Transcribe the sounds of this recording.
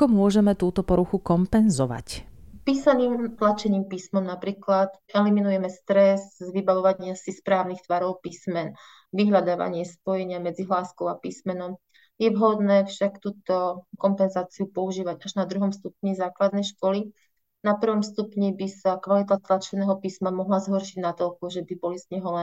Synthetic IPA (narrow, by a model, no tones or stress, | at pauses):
akɔmʊɔʒɛmɛt̪uːt̪ɔpɔɾuxukɔmpɛnzɔʋa̰cpiːsaniːmt̪lat͡ʃɛɲiːmpiːsmɔmnapɾiːklat̪ɛliminujɛmɛst̪ɾɛzʋibaʋɔʋaɲɪasispɾaːʊnixt̪ʋaɾɔʊpiːsmɛn | ʋiɦlʎad̪aːʋa̰ɲɪɛspɔjɛɲɪamɛd͡ziɦlaːskɔʊapiːsmɛnɔm | jɛʋɦɔd̪nɛːfʃakt̪uːt̪ɔkɔmpɛnzaːt͡siupɔuʒiːʋaɟaʒnad̪ɾuɦɔmst̪upɲizaːklad̪nɛjʃkɔli | napr̩ʋɔmst̪upɲibisakʋalit̪at̪lat͡ʃɛnɛːɦɔpiːsmamɔɦlazɦɔɾʃiɟnat̪ɔlkuʒɛbibɔlizɲɛɦɔlɛ